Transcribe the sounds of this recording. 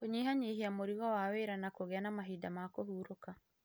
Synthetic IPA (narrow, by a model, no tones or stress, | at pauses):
oɲiɦaɲeɦiamoɾiɣɔwaweɾanakoɣeanamaɦidamakohuːɾoka